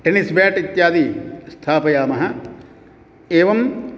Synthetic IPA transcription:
ʈenisbjaːʈit̪jaːd̪ist̪ʰaːpɐjaːmɐɦɐ | eːʋɐm

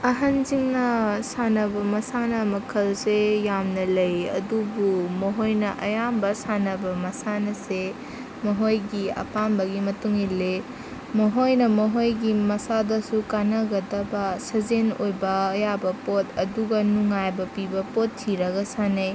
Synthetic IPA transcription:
ɐɦɐnziŋnɐsanɐbɐmɐsanɐmɐkʰɐlsejamnɐlɐjɐ̰dubumɐɦojnɐʔɐ̰jambɐsanɐbɐmɐsanɐse | mɐɦojɡiɐ̰panbɐɡimɐtuŋile | mɐɦojnɐmɐɦojɡimɐsadɐsukanɐɡɐdɐbɐsɐzenojbɐːjabɐpotɐduɡɐnuŋajbɐpibɐpotʰːiɾɐɡɐsanɐj

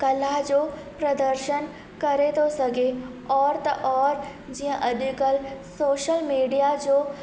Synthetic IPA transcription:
kɐlaɦd͡ʑoːpɾɐd̪əɾʃən | kɐɾet̪ʰosɐɡʱe | ɔːɾt̪ɐʔɔːɾ | d͡ʑiːɦə̃ʔɐd̪ʊkəlsoːʃəlmiːɖijad͡ʑoː

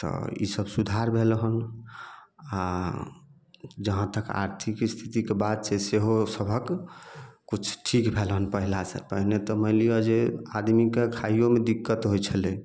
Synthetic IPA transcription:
t̪ɔ̰ḭsəbsud̪ʱaɾbʱelɦən | a | d͡ʒəɦãt̪əka̰ɾt̪ʰikst̪ʰit̪ikebad̪̚sʰeseɦosəbʱək | kut͡ʃʰʈʰikbʱelɦənpəɦilasə̰pəɦnet̪ɔməɪlijod͡ʒea̰d̪mikekʰaijomed̪ikːət̪ɦojt͡ʃʰəle

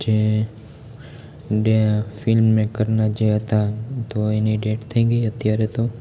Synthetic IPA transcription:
d͡ʒe | ɖefɪlmːẽkəɾnad͡ʒeɦət̪at̪oeniɖeːʈt̪ʰəiɡəiət̪jaɾet̪o

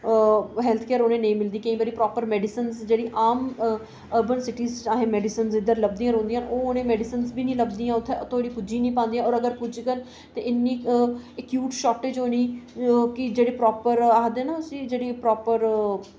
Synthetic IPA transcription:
ɦɛːlt̪ʰkeːɾoːnẽːnəĩːmɪld̪iːkə̃ĩːbəɾiːpɾɔːpəɾmɛːɖɪsənzd͡ʒeːɽiːʔaːm | əɾbənsɪʈiːzaːɦẽːmɛːɖɪsənzɪd̪əɾləb̚d̪ijãːɾõːnd̪ijãːnoːonẽːmɛːɖɪsənsbiːnĩːləbd̪iːãːʊt̪ʰːet̪ʰoːɽiːpʊd͡ʒĩːnĩːpãːnd̪ijãːɔːɾəɡəɾpʊd͡ʒkəɾ | t̪eːʔɪnːiːɛkjuːʈʃɔːʈːeːd͡ʒoːniːkɪd͡ʒeːɽeːpɾɔːpəɾaːd̪eːnãːʊsĩːd͡ʒeːɽiːpɾɔːpəɾ

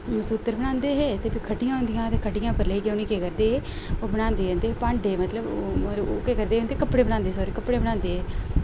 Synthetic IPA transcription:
məsuːt̪ːəɾbəɽãːnd̪eːɦeːt̪eːbiːkʰəɖɪjãːɦʊ̃nd̪ɪjãːt̪eːkʰəɖɪjãːpəɾleikeʊniːkeːkəɾd̪eːɦeː | oːbəɽãːnd̪eːd͡ʒə̃ːnd̪eːpãːɳɖeːmət̪ləboːkeːkəɾd̪eːɦõːnd̪eːkəpɽeːbənãːnd̪eːsɔːɾikəpːɽeːbəɽãːnd̪eːɦɛː

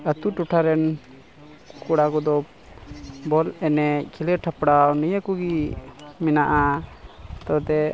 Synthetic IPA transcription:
ət̪uʈuʈʰaɾɛn | kuɽakɔd̪ɔp̚ | bɔlɛnɛkʰiləʈʰapɽawnijakuɡimɛnaʔa | t̪ɔt̪ɛ

